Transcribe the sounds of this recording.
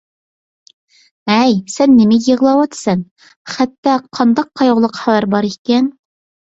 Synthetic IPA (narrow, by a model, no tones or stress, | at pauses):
æjsɛnːɪmɪjiʁlˠɑwɑt̪sɨn | χæt̪ːæqʰːɑnd̪ɑq̚ːʰɑjoʁlˠɤqχæwæɾbɑɾikʲɛn